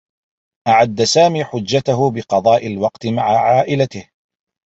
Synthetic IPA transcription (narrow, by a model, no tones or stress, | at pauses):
ʔaʕad̪ːasaːmiːħʊd͡ʒːat̪aɦʊbɪqɑd̪ˤɑːʔɪlwɑqt̪ɪmaʕaʕaːʔɪlat̪ɪh